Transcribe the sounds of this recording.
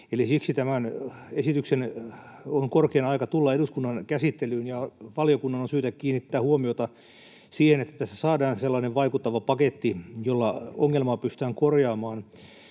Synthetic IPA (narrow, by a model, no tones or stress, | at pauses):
elisiksit̪æmænesit̪yksen | oŋkorkeːnɑikɑt̪ulːɑeduskunːɑnkæsit̪ːelyːnjɑʋɑlijokunːɑnonsyːt̪ækkiːnːit̪ːæːhuomiot̪ɑ | siːhenet̪ːæ̥t̪ːæsæsɑːdɑːnselːɑːneʋʋɑikut̪ːɑʋɑpɑket̪ːijolːɑoŋːelmɑːpyst̪æːŋkorjɑːmɑːn